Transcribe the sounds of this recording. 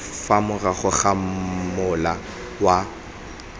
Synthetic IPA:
famʊɣaχʊɣamʊla | wa

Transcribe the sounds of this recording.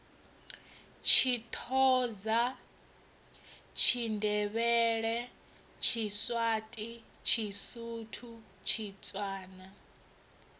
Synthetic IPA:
t͡ʃʰit̪ʰɔːza | t͡ʃʰindʱɛβɛɺɛ | t͡ʃʰiswatʼi | t͡ʃʰisutʰu | t͡ʃʰit͡sʼwaːna

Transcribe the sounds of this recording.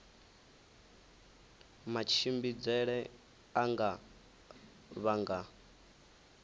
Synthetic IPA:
mat͡ʃʰimbid͡zɛɺɛ | aŋɡa | βaŋɡa

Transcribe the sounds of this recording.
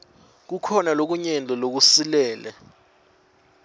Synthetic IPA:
k̬ukʰɔnalok̬uɲɛnd͡ɮʱɔlok̬usilɛːlɛ

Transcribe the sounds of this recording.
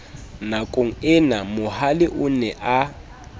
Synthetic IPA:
nakʼoŋ̩ɪnamʊhalɪʔʊnɛʔa

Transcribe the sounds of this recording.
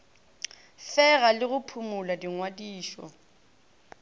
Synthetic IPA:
fɛɣalɪɣʊpʰumʊladiŋwadiːʃɔ̰

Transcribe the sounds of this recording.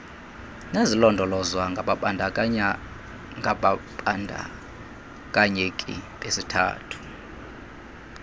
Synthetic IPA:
nezilɔndʱɔlɔzwaŋɡʱaɓaɓandʱa | ŋɡʱaɓaɓandʱa̰ | kʼaɲekʼḭɓʼesitʰa̰ːtʰu̥

